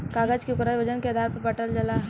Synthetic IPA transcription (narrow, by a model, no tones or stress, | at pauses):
kaːɡəd͡ʒkiʊkɾad͡ʒʋɐd͡ʒənked̪ʱaːɾpɐɾpɐʈəld͡ʒəla